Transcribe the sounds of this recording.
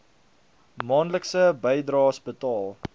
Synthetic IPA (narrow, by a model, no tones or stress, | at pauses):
mɑːnləksəbəjdrɑːsbətɑːlˠ